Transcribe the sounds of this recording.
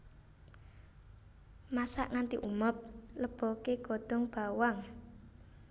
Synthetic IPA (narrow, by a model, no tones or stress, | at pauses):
masa̰ʔŋant̪ḭʔuməp̚ləb̥ɔ̤keɡ̥od̪̥ɔ̤ŋb̥a̤waŋ